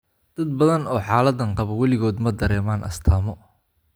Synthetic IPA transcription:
d̪̥ɐd̪̚bɐðɐnɔːħaːlɐd̪ɐɴqɑβɐwɛlɪɣɔːd̪mɐd̪ɐɾɛːmaːnʔɐ̰st̪ʰɐːmɔ

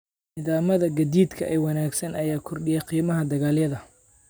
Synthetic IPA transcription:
nɪðaːmɐðɐɡɐd̪iːd̪kʰɐʔɛjwɑnaːɡsɐnɐjaːkʰɔrɗɪjɐqiːmɐɦɐd̪ɐɣaːljɐðɐ

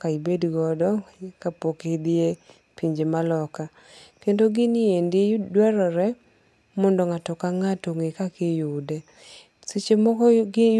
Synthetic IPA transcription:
kaibedɡɔdɔkapoked̪ɪe | piɲd͡ʒemalɔka | kendoɡɪnɪendɪedwɛɾɔɾɛ | mɔndɔŋatɔkaŋatoŋekakejʊde | set͡ʃemɔkɔ

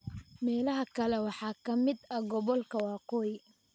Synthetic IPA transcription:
mɛːlɐɦɐkʰɐlɛwɑħɑːkʰɐmɪd̪ɐɡɔβɔlkʰɐwɑːqɔːj

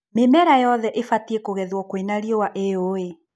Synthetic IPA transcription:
memɛɾajɔðɛʔefatiekoɣɛðwɔkwenaɾiɔwaʔeoe

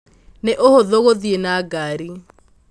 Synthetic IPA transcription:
neʔohoðoɣoðienaɡaɾi

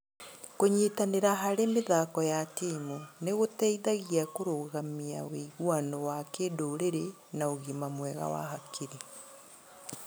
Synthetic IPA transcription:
koɲitaneɾaɦaɾemeðakɔjatimuneɣotɛiðaɣiakoɾoɣamiaweiɣwanɔwakeːdoːɾeɾe | naoɣimamwɛːɣa̰wa̰ɦakʰiɾi

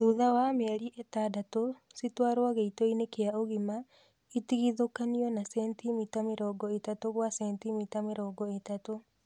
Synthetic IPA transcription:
ðuðawameɾiʔetaːdatositwaːɾowaɣeitoinekeaoɣima | itiɣiðokaniɔnasɛntimitameɾɔːɡɔetatoβwasɛntimitameɾɔːɡɔetato

